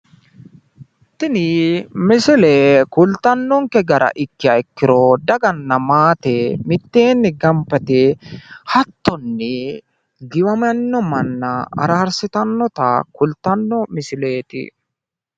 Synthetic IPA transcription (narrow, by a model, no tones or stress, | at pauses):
t̪ːɪnɪmɪsɪlekʊlt̪ːɐnːɔŋkɛɡɐɾɐ̰ʔɪkːɪɐɪkːɪɾɔd̪ɐɡɐnːɐmaːt̪ɛmɪt̪ːeːnːɪɡɐmpːɐt̪ɪhɐt̪ːɔnːɪ | ɡɪwɐmɐnːɔmɐnːɐɐ̰ɾaːɾsɪt̪ɐnːɔt̪ɐ̰kʊlt̪ːɐnːɔmɪsɪle̞ːt̪ɪ̰